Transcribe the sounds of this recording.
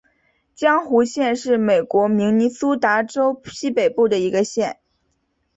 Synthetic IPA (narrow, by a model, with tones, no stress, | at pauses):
t͡ɕjɑ˥ŋxu˧˥ɕjɛ˥˧nʂɻ̩˥˩me˨˩ɪkwɔ˧˥mi˧˥ŋni˧˥su˥t̪a˧˥ʈ͡ʂo˥ʊɕi˥pe˨˩ɪpu˥˩d̪ə˩i˧˥ɡə˧ɕjɛ˥˩n